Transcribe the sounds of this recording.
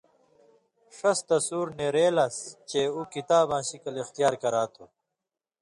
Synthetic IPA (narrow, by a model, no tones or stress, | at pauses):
ʂɐst̪ɐsuːɾneɾeːlɐst͡ɕeːuːkit̪aːbãːɕikɐlixt̪ijaːɾkɐɾaːt̪ʰo